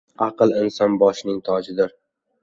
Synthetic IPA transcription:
ɑqɨlˠɪnsɒnbɒʃnɪŋt̪ʰɒd͡ʒɪd̪ɪɾ

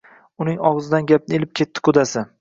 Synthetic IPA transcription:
ʊnɪŋɒʁɨzɪd̪anɡʲap̚nɪelɪp̚kʲʰe̞t̪ʰːɪ̥kʰʊd̪asɪ

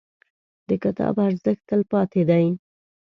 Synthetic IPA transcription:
d̪əkɪt̪ɑ̰baɾzəxt̪əlpɑt̪ed̪aj

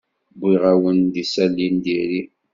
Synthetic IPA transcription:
bʷiʁawənd̪isælːind̪iɾi

